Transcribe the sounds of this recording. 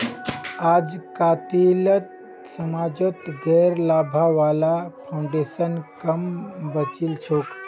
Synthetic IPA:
ad͡zkat̪ilət̪ | səmad͡ʒot̪ɡɛɾlabʱaʋalapʰaũɳɖesənkəmbət͡ɕilt͡ʃʰok

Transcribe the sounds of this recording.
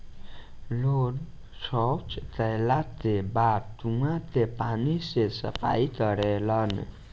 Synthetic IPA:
lon | sɔwt͡ʃt̪əjlat̪ebaɾt̪uŋat̪epanisesə̰pa̰jt̪ʌɾelʌnḛ

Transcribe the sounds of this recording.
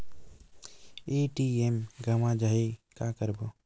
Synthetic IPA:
eːʈiemɡʱəmãd͡ʒaːɦekaːkəɾbo

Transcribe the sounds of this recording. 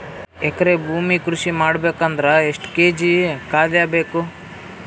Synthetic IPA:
ɛkːɐɾebʱuːmikɾuʃimaːɽbeːkɐnd̪ɐɾɐeʂʈkeːd͡ʒikaːd̪jaːbeːku

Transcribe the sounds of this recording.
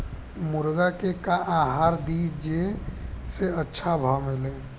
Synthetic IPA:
muɾɡakekaʔãɦaɾd̪id͡ʒeseətːʃʰabʱamele

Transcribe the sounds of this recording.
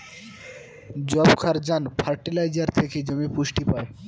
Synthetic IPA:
d͡ʑɔbkʰaɾd͡ʑanpʰaɾʈilajd͡ʑaɾt̪ʰeked͡ʑomepuʃʈipae

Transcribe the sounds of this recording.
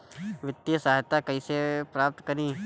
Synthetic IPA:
ʋɪt̪ːisaːɦt̪akɐĩsepɾaːp̚t̪kɐɾĩː

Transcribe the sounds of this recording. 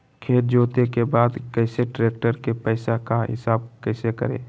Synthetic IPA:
kʰeːʈ̪̚d͡ʒoːt̪ekebaːd̪kɛɪseʈɾeːk̚ʈəɾkepəːɪsakaɦɪ̰saːb̚kɛːsekə̰ɾḛ̃ː

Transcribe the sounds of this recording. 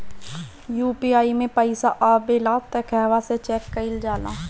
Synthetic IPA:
juːpiaːimẽpəɪsaʔaːbeːlaːt̪ɛkʰɛːʋaset͡ʃɛːkːɐɪld͡ʒaːla̰ː

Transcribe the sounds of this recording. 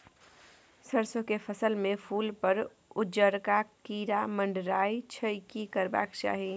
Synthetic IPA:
səɾsõkepʰəsəlmẽpʰuːlpəɾ | ʊd͡ʒəɾkakiːɾaməɳɖɾaːit͡ʃʰəkikəɾba̰ːkt͡ʃa̰ːɦi

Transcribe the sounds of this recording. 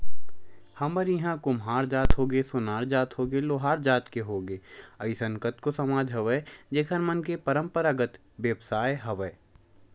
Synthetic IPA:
hɐməɾjiɦãkʊmɦaːɾd͡ʒaːt̪ɦoːɡesʊnaːɾd͡ʒaːt̪ɦoːɡeloːɦaːɾd͡ʒaːt̪keɦoːɡeːɐɪsə̃ŋkət̪kosɐmaːd͡ʒʱɦɐʋəd͡ʒeːkʰənmɐnkepɐɾə̃mpəɾaɡət̪ | ʋjəbsaːjɦɐʋəe

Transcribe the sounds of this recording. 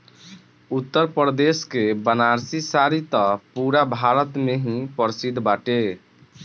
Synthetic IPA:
ut̪ːəɾpɾd̪eskebənaɾsisaɾit̪ɔpuɾabʱaɾət̪meɦĩpəɾsid̪ʱbaʈe

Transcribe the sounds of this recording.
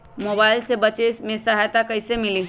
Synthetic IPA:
moːbaːɪlsebɐt͡ʃemẽsɐɦajt̪akɐɪsemɪli

